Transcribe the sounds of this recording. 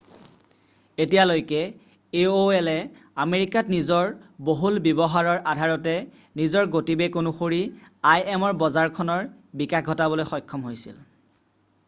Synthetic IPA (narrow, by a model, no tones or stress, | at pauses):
etijalojkɛ | eoɛlɛ | ameɹikatnizɔɹboɦulbjebɔɦaɹɔɹʔadʱaɹɔtɛ | nizɔɹɡotibɛkonuxoɹiajɛmɔɹbɔzaɹkʰɔnɔɹbikax̚ɡʱɔtabɔlojxɔjkʰːɔmɦojsḭl